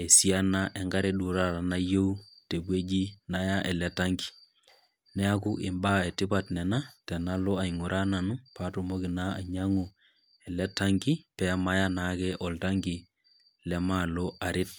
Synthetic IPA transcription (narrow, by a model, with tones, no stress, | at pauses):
ɛ˨si˦a˦na˦ʔɛ˨ŋɡa˦ɾɛ˦ɗu˨ɾa˦ɾa˨na˦jo˦u˦te˨bwe˦d͡ʒi˦na˨ja˦ʔɛ˨lɛ˦ta˦ŋɡi̥˨ | nɛ˦a˦ku˦ʔɪ˨mba˦ɛ˨tɪ˦ba˨tnɛ˨na˦tɛ˨na˦lo˦a˨i˨ŋu˨ɾʔa˦na˨nu˦pa˦to˨mo˦kɪ˨na˦a̰˨ɲa˦ŋu˨ | ɛ˨lɛ˦ta˦ŋɡi˦pɛ˦ma˦ja˦na˨˦kɛ˦ʔɔ˨lta˦ŋɡi˨ | lɛ˦ma˦lo˦a˨ɾɪ˦t̚